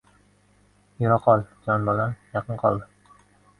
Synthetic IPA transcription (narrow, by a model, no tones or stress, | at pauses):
jʊɾɑqʰɒlˠd͡ʒɒnbɒlanjɑqʰɨnqʰɒ̰lˠd̪ɪ